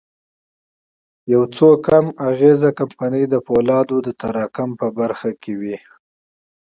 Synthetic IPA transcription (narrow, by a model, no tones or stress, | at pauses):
jawt͡sokamaɣezakampanəjd̪əpolɑd̪od̪ət̪aɾɑkʊmpəbaɾxakʰewi